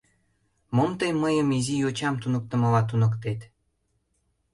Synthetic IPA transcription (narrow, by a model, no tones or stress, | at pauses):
momt̪ejmːəjəmizijot͡ɕɑmt̪unə̆k̚t̪ə̆mɤlɑt̪unəkt̪et̪